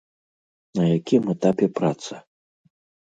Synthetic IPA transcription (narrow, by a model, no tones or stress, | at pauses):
nɐjakʲimɛt̪apʲɛpɾat̪sɐ